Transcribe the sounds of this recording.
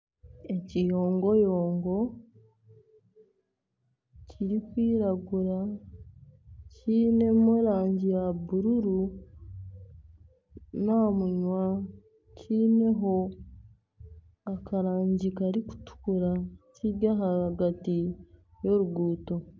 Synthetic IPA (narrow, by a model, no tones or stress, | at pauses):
ecijoːŋɡo̞joːŋɡo̞ | cʰiɾikwiːɾaɡuɾa | cʰiːne̞moɾaːɲɟijabuɾuɾu | namuɲwa | cʰiːne̞ɦo̞ | akaɾaːɲɟikaɾiku̥tu̥kuɾaciɡaɦahaɡatijo̞ɾuɡuːto̞